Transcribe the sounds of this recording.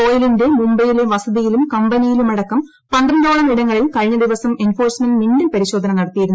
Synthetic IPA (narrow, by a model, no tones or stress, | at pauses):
oːjilinde̞mumbɐjile̞ʋɐsɐðijilumkɐmbɐnijilumɐɽɐkːɐm | pɐndrɐɳɖoːɭɐmiɽɐŋːɐɭilkɐɻɲːɐd̪iʋɐsɐme̞nfo̞ːrsmɐnmindɐnpɐɾiɕo̞ːd̪ʱɐnɐmnɐɽɐt̪ːijiɾunː